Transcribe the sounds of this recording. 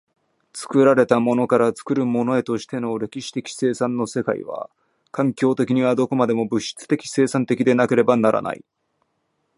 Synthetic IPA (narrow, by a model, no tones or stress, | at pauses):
t͡sɨ̥kɯ̟ɾaɾe̞t̪amo̞no̞kaɾat͡sɨ̥kɯ̟ɾɯ̟mo̞no̞e̞t̪oɕi̥t̪e̞no̞ɾe̞kʲiɕi̥t̪e̞kʲi̥se̞ːsãnːo̞se̞ka̰ḭβa̰ | kãŋkʲo̞ːt̪e̞kʲiɲ̟iβ̞ad̪o̞ko̞mad̪e̞mo̞bɯ̟ɕːi̥t͡sɨ̥t̪e̞kʲi̥se̞ːsãnt̪e̞kʲid̪e̞nake̞ɾe̞banaɾʔa̰na̰ḭ